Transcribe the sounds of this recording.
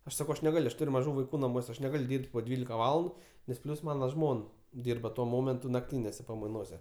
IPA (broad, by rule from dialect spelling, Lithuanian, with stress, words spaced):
ˈɐʃ sɐˈkɐʊ ˈɐʃ nʲɛˈɡɐlʲ ˈɐʃ ˈtʊrʲ mɐˈʒuː ʋɐɪˈkuː nɐˈmuɔsʲɛ ˈɐʃ nʲɛˈɡɐlʲ ˈdʲiːrʲpʲtʲ poː ˈdʲʋʲiːlʲɪkɐ ˈʋɑːlˠɐndʊ nʲɛs ˈpʲlʲʊs ˈmɑːnɐ ˈʒmoːn ˈdʲiːrbɐ tuɔ ˈmoːmʲɛntʊ nɐkˈtʲiːnʲeːsʲɛ pɐmɐɪˈnoːsʲɛ